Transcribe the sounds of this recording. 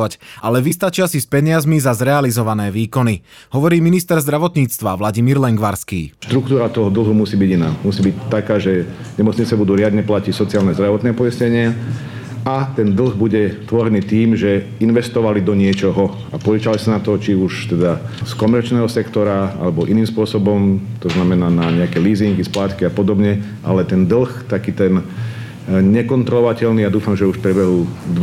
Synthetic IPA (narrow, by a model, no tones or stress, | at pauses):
ʋacalɛʋist̪at͡ʃiasispɛɲɪazmizazɾɛalizɔʋanɛːʋiːkɔni | hɔʋɔɾiːminist̪ɛɾzd̪ɾaʋɔt̪ɲiːt͡st̪ʋaʋlaɟimiːɾlɛŋɡʋaɾskḭːʃt̪ɾukt̪uːɾat̪ɔɦɔd̪l̩ˠɦumusiːbiɟina̰ːmusiːbict̪ːakaːʒɛ | ɲɛmɔt͡sɲit͡sɛbud̪uːɾɪad̪ɲɛplacicsɔt͡siɪaːlnɛzd̪ɾaʋɔt̪nɛːpɔisɲɛɲɪa | at̪ɛnd̪l̩ɣbuɟɛt̪ʋɔɾɛniːt̪iːmʒɛinʋɛst̪ɔʋalid̪ɔɲɪɛt͡ʃɔɦɔ | apɔɛt͡ʃalisanat̪ɔt͡ʃiuʃt̪ɛd̪askɔmɛɾt͡ʃnɛːɦɔsɛkt̪ɔɾaa̰lɛbɔʔiniːmspʊɔsɔbɔmt̪ɔznamɛnaːnaɲɛakɛliːziŋɡisplaːt̪kiapɔd̪ɔbɲɛ | ʔa̰lɛt̪ɛnd̪l̩xt̪akiːt̪ɛn | ɲɛkɔnt̪ɾɔlɔʋacɛʎniad̪uːfamʒɛuʃpɾɛbɛɦuːd̪